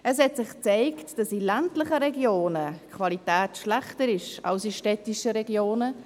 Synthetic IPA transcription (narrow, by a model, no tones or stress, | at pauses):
ɛshɛtsɪχt͡saɪktd̥ɑsilantlɪχəɾɛɡjoːnəkʰvalitɛːtʃlæχtəɾɪʃɑ̰lsiʃtɛtiʃəɾɛɡjoːnə